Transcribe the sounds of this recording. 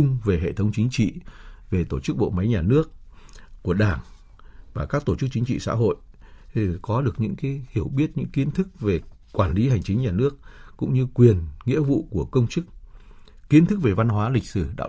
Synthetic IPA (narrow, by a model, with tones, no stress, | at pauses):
ʊ˧ŋ͡mve˨˩ɦḛ˧˨t̪ʰə˨˦wŋ͡mt͡ɕï˨˦ŋ̟t͡ɕḭ˧˨ve˨˩t̪o˧˩t͡ɕɨ˦˥k̚ɓo̰˧˨ma˨˦jɲaː˨˩nɨ˦˥ək̚kːu˧˩əɗaː˧˩ŋ | vaː˨˩kaː˦˥k̚t̪o˧˩t͡ɕɨ˦˥k̚t͡ɕï˨˦ŋ̟t͡ɕḭ˧˨sa̰ː˧˥ɦo̰˧˨jʰ | kɔ˨˦ɗɨ˨˩ək̚ɲɨ̰˧˥ŋkaː˨˦jhi˧˩əwɓi˦˥ət̚ɲɨ̰˧˥ŋki˨˦ənt̪ʰɨ˦˥k̚ve˨˩kwaː˧˩nli˨˦ha˨˩jŋ̟t͡ɕï˨˦ŋ̟ɲaː˨˩nɨ˦˥ək̚kʊ̰˧˥ŋ͡mɲɨ˧kwi˨˩ənŋḭ˧˥əvṵ˧˨ku˧˩əkə˧wŋ͡mt͡ɕɨ˦˥k̚ | ki˨˦nt̪ʰɨ˦˥k̚ve˨˩va˧nɦwaː˨˦lï˨˩k̟̚sɨ˧˩ɗa̰ː˧˥